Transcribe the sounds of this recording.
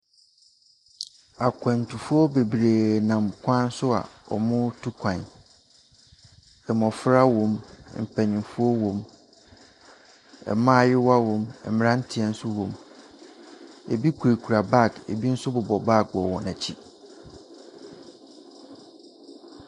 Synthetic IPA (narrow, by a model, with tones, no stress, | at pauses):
a˨kʷʰɛ̃˨n̩˨tʰu˨fʊ˦ɔ˦be˨bɾe˨nã˨mkʷʰã˦n̩˦sʊ˦a̰˨ɔ̰˨mʊ̃˦tʰu˦kʷʰã˨n | ɛ˨mɔ̃˨fɾa˦wɔ̃˨m˦m̩˨pʰæ˨ɲĩ˨fu˦ɔ˦wɔ̃˨m | ɛ̰˨mã˦˨jɪ˦wa˦wɔ̃˨mɛ˨m˨ɾã˦n̩˦tʰi˦ɛ˨n̩˦sʊ˦wɔ̃˨m | ḛ˨bi˦kʰu˨ɾe˨kʰu˨ɾa˨ba˦˨kḛ˨bi˦n̩˦sʊ˦bʊ˨bɔ˨ba˦˨ɔ˨wɔ̃˨næ˨t͡ɕʰi˦